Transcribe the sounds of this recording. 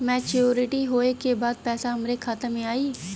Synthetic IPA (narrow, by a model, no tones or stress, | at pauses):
mɛːt͡ʃoːɾɪʈiɦoːekebaːd̪̚pɛːsaʊmɾekʰaːt̪emẽaːiː